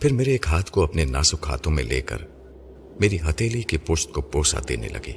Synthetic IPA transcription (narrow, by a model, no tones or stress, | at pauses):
pʰɪɾmeːɾeːkɦaːt̪ʰkoɐpnena̰ːsʊkɦa̰ːt̪ʰõmḛ̃lḛːkə̰ɾ | meːɾiɦɐt̪eːlikepoːsʈ̚kopoːsa̰d̪ḛːnḛlɐ̰ɡḭː